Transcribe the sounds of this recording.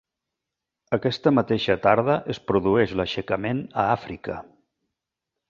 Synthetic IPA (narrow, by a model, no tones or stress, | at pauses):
əkɛst̪əmət̪eʃət̪aɾðəʔəspɾuðuɛʃləʃəkəmenəafɾikə̰